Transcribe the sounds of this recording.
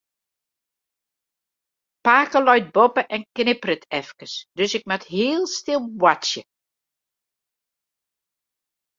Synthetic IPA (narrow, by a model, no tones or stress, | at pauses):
paːkəlɔjt̚bɔpəʔɛnknɪprətʰɛfkəsd̥øsɪk̚matɦiːəlˠstɪlˠwasjə